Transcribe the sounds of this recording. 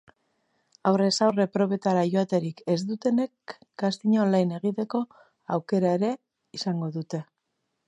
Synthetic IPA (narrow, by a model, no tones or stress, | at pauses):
awre̞sawre̞pɾo̞βe̞t̪aɾajoat̪e̞ɾike̞zd̪ut̪e̞ne̞k | ɡast̪iɲolajne̞ɣ̞it̪e̞ko̞ | awke̞ɾae̞ɾe̞ | isaŋɡo̞ðut̪e̞